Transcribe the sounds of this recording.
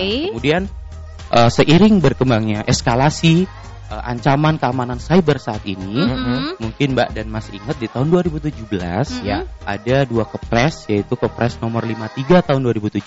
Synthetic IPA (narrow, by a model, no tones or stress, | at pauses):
əmudian | ʔəsəʔiɾɪŋbərkəmbaŋɲaʔɛskalasi | əʔa̰ɲt͡ʃamankəamanansajbərsaːt̪inimuŋkɪnba̰ʔdanmasiiŋət̪̚dit̪aɦʊnduaɾibut̪ud͡ʒubəla̰sʔa̰daduakəp̚ɾɛsjait̪ukəpɾɛsnomərlimat̪iɡat̪aɦʊnduaɾibut̪ud͡ʒu